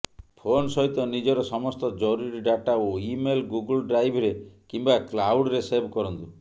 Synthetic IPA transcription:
pʰonsɔɦit̪ɔnid͡ʒɔɾɔsɔmɔst̪ɔd͡ʒɔɾuɾiɖaʈaoimelɡuɡulɖɾajbʱɔɾekimbaklawɽɾesebʱkɔɾɔnt̪u

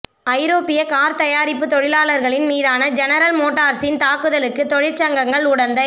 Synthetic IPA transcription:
ɐɪɾoːpɪjɐkaːɾt̪ɐjaːɾɪpːɯt̪ɔɻɪlaːɭɐɾɣɐɭɪnmiːðaːnɐd͡ʒɛnɐɾɐlmoːʈːaːɾsɪnt̪aːkːɯðɐlɯkːɯt̪ɔɻɪɾt͡ʃɐŋɡɐŋɡɐɭʊɽɐnd̪ɐ

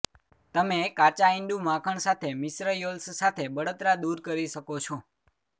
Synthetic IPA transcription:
t̪əmekat͡ʃaɪ̃ɳɖumãkʰəɳsat̪ʰemɪsɾəjolssat̪ʰebəɽot̪ɾad̪uɾkəɾiʃəkot͡ʃʰõ

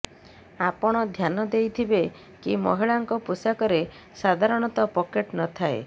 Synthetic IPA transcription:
apɔɽ̃ɔd̪ʱjanɔd̪ejt̪ʰibe | kimɔ̰ɦiɭaŋkɔpusakɔɾe | sad̪ʱaɾɔɽ̃ɔt̪ɔpɔkeʈnɔt̪ʰae

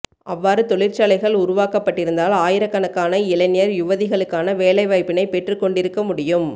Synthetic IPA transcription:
ʔɐʋːaːɾɯt̪ɔɭɪɾt͡ʃaːlɐɪɣɐɭʊɾʊʋaːkɐpːɐʈːɪɾɯnd̪aːlaːjɪɾɐkːɐnɐkːaːnɐɪlɐɪnɪjɐɾjʊʋɐðɪɣɐɭɯkːaːnɐʋeːlɐɪʋaːɪpːɪnɐɪpɛʈrɯkːɔɳɖɪɾɯkːɐmʊɽɪjɯm

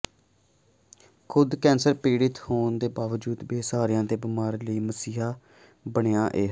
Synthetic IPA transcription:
kʰʊd̪kɛ̃ːnsəɾpiːɽɪt̪hoːnd̪eːbaːʋəd͡ʒuːd̪beːsaːɾɪjãːd̪eːbɪmaːɾləiːməsiːɦaː | bəɳejãːʔeːɦ

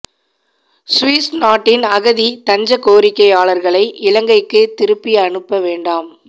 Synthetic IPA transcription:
sʋiːsnaːʈːɪnɐɣɐðit̪ɐɲd͡ʒɐkoːɾɪkːɐɪaːɭɐɾɣɐɭɐɪʔɪlɐŋɡɐɪkːɯt̪ɪɾɯpːɪjɐɳɯpːɐʋeːɳɖaːm

